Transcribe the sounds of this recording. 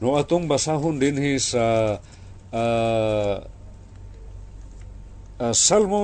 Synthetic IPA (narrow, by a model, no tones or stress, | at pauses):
noʔat̪ʊŋbasaɦʊnd̪ɪnhisa | salmo